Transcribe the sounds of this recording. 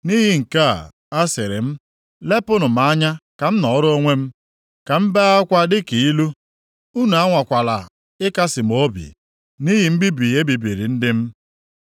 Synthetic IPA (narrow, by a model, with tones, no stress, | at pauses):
ni˦ɦɪ˨ŋ̩˨ka̰˦˨ | a˦sɪ˨ɾɪ̰˨m̩˦ | le˦pʊ˦nʊ˨m̩˨a˦ɲa˦ka˨m̩˦nɔ˨˦ɾo˦ŋʷe˦m̩˦ | ka˨m̩˦be˦a˦kʷa˦dɪ˦ki˨i˦lu˦ | u˦nu˨a˦ŋʷa˨kʷa˨la̰˨ | ɪ˦ka˦sɪ˨m˨o˦bḭ˨ | ni˦ɦi˨m̩˦bi˦bi˨e˦bi˨bi˨ɾḭ˨n̩˦dɪ˦m̩˦